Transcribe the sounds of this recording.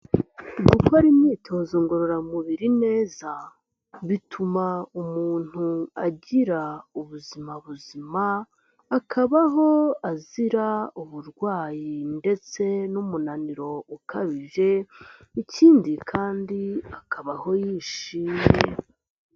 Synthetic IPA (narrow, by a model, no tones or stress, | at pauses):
ɡukaɾimɲiːtʰozoŋɡo̞ɾoɾamuβiɾine̞ːza | βitʰumaumuːn̥huaɟiɾauβuzimaβuzimaː | kʰaβaɦo̞aziɾauβuɾɡwaːjinde̞t͡se̞numunaniɾo̞ukʰaβivje̞icʰiːndikʰaːndiakʰaβaho̞jiːʃiːme